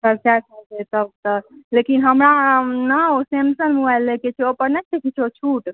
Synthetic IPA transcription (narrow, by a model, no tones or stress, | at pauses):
səɾt͡ʃasətet̪əb̚t̪əlekinɦəmɾanəosemsənmuajlːeket͡ʃʰeopəɾnɛk̚t̪ekit͡ʃʰot͡ʃʰuʈ